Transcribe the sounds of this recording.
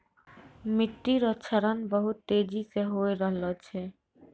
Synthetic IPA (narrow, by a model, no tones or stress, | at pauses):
miʈːiɾɔt͡ɕʰaɾanbɔɦut̪ːed͡ʑikeɦoeɾɔɦlot͡ʃʰe